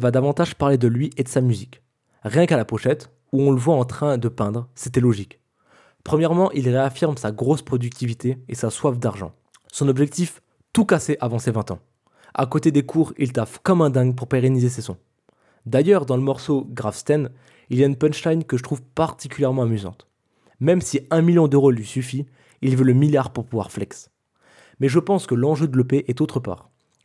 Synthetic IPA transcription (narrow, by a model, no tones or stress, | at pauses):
vad̪avɑ̃t̪aʒpaʁled̪əlɥiʔed̪əsamyzik | ʁjɛ̃kalapɔʃɛt̪ | uɔ̃ləvwaɑ̃t̪χɛ̃d̪əpɛ̃d̪ʁsɛt̪ɛlɔʒik | pχəmjɛʁmɑ̃ʔilʁeafiʁmsaɡʁospχɔd̪yk̚t̪ʰivit̪eesaswafd̪aʁʒɑ̰̃ | sɔ̃nɔbʒɛk̚t̪if | t̪ukaseʔavɑ̃sevɛ̃t̪ɑ̰̃ | a̰kot̪ed̪ekʰuʁilt̪afkɔmɛ̃d̪ɛ̃ŋɡp̬uʁpeʁenizesesɔ̰̃ | d̪ajœʁd̪ɑ̃ləmɔʁsoɡʁafst̪ɛn | iljaynpɛnʃt̪ajnkəʒət̪χuvpaʁt̪ikʲyljɛʁmɑ̃amyzɑ̰̃t̪ | mɛmsiɛ̃miljɔ̃d̪øʁolɥisyfi | ilvøləmiljaʁpuʁpuvwa̰ʁflɛks | mɛʒəpɑ̃skəlɑ̃ʒød̪ələpeʔɛt̪ot̪χəpa̰ːʁ